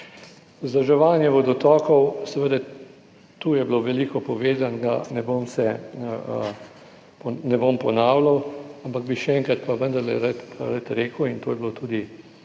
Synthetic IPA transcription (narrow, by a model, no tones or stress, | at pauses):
zd̪ɐʒɛʋaːnjɛʋɔd̪ɔt̪ɔːkɔwsɛʋəd̪ɛ | t̪uːjɛbloʋɛliːkɔpɔʋeːzanɡa̰nɛboːmsɛ | pɔnɛbompɔnaːwlawampaɡ̚biʃɛɛŋkɾat̪paʋənd̪ɐɾlɛ̰ɾət̪ɾət̪ɾeːkəwint̪oːjɛblot̪uːd̪i